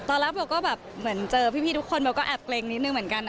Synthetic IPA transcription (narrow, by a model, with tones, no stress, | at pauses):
t̪ɔː˧la˦˥bɛ˨˧˩wkɔː˥˩bɛː˨˩p̚mɯ˨˩˦ənt͡ɕɤː˧pʰiː˥˩pʰiː˥˩t̪ʰu˦˥kʰo˧nbɛ˧wkɔː˥˩ʔɛ˨˩p̚kleː˧ŋni˦˥t̪̚nɯ˧ŋmɯ˩˦ə˦nka˧n